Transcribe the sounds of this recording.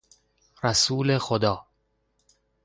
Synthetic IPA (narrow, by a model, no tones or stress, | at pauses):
ɾæsuːlexod̪ɒː